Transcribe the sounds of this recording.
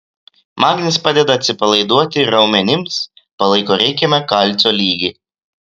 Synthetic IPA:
mɑːɡʲnʲɪspɑːd̪ʲɛd̪ɐɐt̪ʲsʲɪpɐlˠɐɪd̪uɔt̪ʲɪɾɐʊmʲɛnʲɪms | pɐlˠɐɪkoːɾʲɛɪkʲɛmʲɛkɐlʲˑt̪sʲoːlʲiːɡʲi

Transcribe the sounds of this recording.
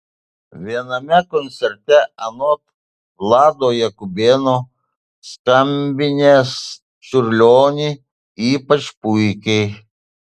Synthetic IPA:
ʋʲiɛnɐmʲɛkɔnʲt̪sʲɛɾʲt̪ʲɛɐnɔt̪ | lˠɑːd̪oːjɛkʊbʲeːnoː | skɐmʲbʲɪnʲeːs | t͡ʃʲʊɾʲlʲoːnʲi | iːpɐt͡ʃpʊɪkʲɛɪ

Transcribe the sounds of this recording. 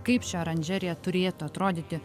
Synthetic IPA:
kɐɪpʃʲɛɐɾɐnʲd͡ʒʲɛɾʲɪjɛt̪ʊɾʲeːt̪ʊɐt̪ɾoːd̪ʲiːt̪ʲɪ

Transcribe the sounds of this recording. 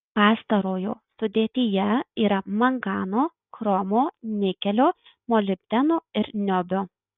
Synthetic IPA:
pɑːst̪ɐɾoːjo̰ːsʊd̪ʲeːt̪ʲɪjɛiːɾɐmɐŋɡɑːnoː | kɾɔmoːnʲɪkʲɛlʲoː | molʲɪbʲd̪ʲɛnoːɪɾnʲɔbʲoː

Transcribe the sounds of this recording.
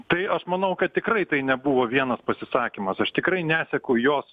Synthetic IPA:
t̪ɐɪʔɐʃmɐnɐʊkɐt̪̚t̪ʲɪkrɐɪt̪ɐɪnʲɛbuʋoːʋʲiɛnɐspɐsʲɪsɑːkʲimɐsɐʃt̪ʲɪkɾɐɪnʲæːsʲɛkɐʊjoːs

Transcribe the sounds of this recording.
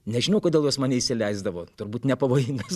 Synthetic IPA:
nʲɛʒʲɪnɐʊkodʲeːlˠjoɔsmɑːnʲɛiʃʲsʲɪlʲɛɪzd̪ɐʋoːt̪ʊɾbuːt̪nʲɛpɐʋoːjɪŋɡɐs

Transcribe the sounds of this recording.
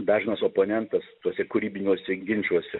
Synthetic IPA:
d̪ɑːʒʲɪnɐsoːpoːnʲɛnt̪ɐst̪uɔsʲɛkʊɾʲiːbʲɪnʲuɔsʲɛɡʲɪnʲt͡ʃʲuɔsʲɛ

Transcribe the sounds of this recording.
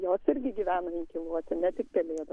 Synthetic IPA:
joːsɪɾʲɡʲɪɡʲiːʋʲæːnɐɪŋkʲɪlˠuɔt̪ʲɪnʲɛt̪ʲɪkpʲɛlʲeːd̪ɐ

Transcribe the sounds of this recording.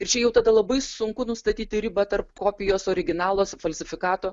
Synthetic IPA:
ɪɾt͡ʃʲɛjɛʊt̪ɐd̪ɐlˠɐbɐɪsʊŋkʊnʊst̪ɐt̪ʲiːt̪ʲɪɾʲɪbɐt̪ɐɾpkoːpʲɪjoːsoːɾʲɪɡʲɪnɑːlˠoːsfɐlʲsʲɪfʲɪkɑːt̪oː

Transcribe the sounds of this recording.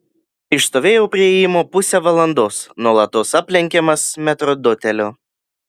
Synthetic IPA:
ɪʃst̪oːʋʲeːjɛʊpʲɾʲɪɛjɪmoːpʊsʲɛʋɐlˠɐnd̪oːsnuɔlˠɐt̪osɑpʲlʲɛŋʲkʲɛmɐsmʲɛt̪ɾɔd̪ʊt̪ʲɛlʲoː

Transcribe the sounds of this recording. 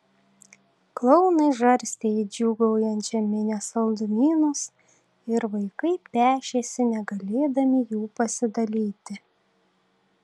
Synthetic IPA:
klˠɔʊnɐɪʒɐɾʲsʲt̪ʲɛɪd͡ʒʲuːɡɐʊjɛnt̪ʒʲɛmʲɪnʲɛsɐlˠd̪ʊmʲiːnʊs | ɪɾʋɐɪkɐɪpʲæːʃʲeːsʲɪnʲɛɡɐlʲeːd̪ɐmʲɪjuːpɐsʲɪd̪ɐlʲiːt̪ʲɪ

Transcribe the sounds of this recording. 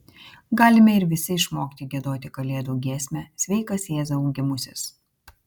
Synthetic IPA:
ɡɑːlʲɪmʲɛɪɾʋʲɪsʲɪɪʃmoːkʲt̪ʲɪɡʲɛd̪oːt̪ʲɪkɐlʲeːd̪uːɡʲeːsʲmʲɛsʲʋʲɛɪkɐsjeːzɐuɡʲɪmʊsʲɪs

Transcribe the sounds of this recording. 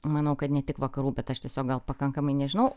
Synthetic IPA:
mɐnɐʊkɐt̪nʲɛt̪ʲɪkʋɐkɐɾuːbʲɛt̪ɐʃt̪ʲɛsʲoːkɡ̚ɡɐlˠpɐkɐŋkɐmɐɪnʲɛʒʲɪnɐʊ

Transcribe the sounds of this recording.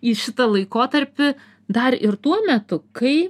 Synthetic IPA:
iːʃʲɪt̪ɐlˠɐɪkoːt̪ɐɾʲpʲɪ | d̪ɐɾɪɾt̪uɔmʲɛt̪ʊkɐɪ

